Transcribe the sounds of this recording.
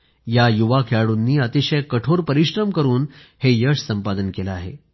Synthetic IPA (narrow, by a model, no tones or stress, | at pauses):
jajuʋakʰjaɽuːnːiːət̪iɕəjkəʈʰoɾpəɾiɕɾəmkəɾuːnhejəʂsəmpad̪ənkelaaɦḛ